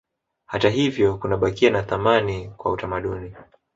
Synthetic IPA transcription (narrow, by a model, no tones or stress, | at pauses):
hataɦivjɔkunaɓakianaθamanikwa̰utamaɗuni